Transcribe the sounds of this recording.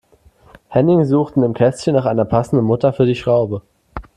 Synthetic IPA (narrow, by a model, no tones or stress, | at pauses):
hɛnɪŋzuːχtn̩ɪmkʰɛstçənːaːχʔaɪnɐpʰasn̩dn̩mʊtɐfyːɐdiːʃʁ̥aʊbə